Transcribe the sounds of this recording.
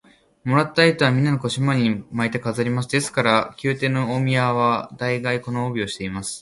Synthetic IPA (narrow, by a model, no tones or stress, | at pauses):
mo̞ɾat̪ːait̪oβamʲĩnːanoko̞ɕimaɲʲiimait̪ekazaɾʲimasɨd̪e̞sɨ̥kaɾakʲɨːt̪e̞ːnoomʲiaβad̪aiɡaiko̞noːbʲio̞ɕi̥t̪e̞imasɨ̥